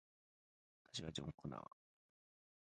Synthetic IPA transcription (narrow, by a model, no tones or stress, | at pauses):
at̪ḁɕiβad͡ʑõŋkona̰βa